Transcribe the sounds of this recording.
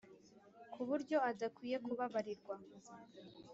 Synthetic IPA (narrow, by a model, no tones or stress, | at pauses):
kʰuβuɾɟo̞adakwiːje̞kuβaβaɾiɾɡwa